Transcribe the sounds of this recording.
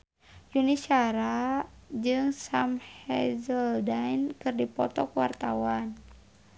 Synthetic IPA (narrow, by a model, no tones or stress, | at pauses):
junisaɾad͡ʒɨŋsamhɛzəldainkɨrdipɔ̰t̪ɔkuwa̰rt̪awan